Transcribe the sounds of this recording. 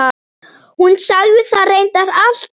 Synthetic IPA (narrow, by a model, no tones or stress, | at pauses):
a | hunsaɣðɪθarejnt̪aɾal̥t̪